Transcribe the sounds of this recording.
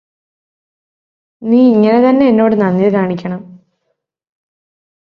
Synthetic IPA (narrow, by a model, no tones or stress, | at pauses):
niːiŋːɐne̞t̪ɐnːeenːo̞ːɽɨnɐnːiðɨkaːɳikʲːɐɳɐm